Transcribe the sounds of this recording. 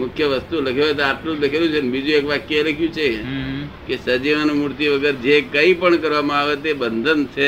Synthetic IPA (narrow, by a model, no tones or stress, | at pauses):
mʊkʰjəʋəst̪uləkʰeot̪eaplũləkʰelũt͡ʃʰenbid͡ʒũekʋakjləkʰjũt͡ʃʰe | kesəd͡ʒiʋanumuɾt̪iʋəɡəɾd͡ʒekəĩpəɳkəɾʋamãaʋet̪ebənd̪ʱənt͡ʃʰe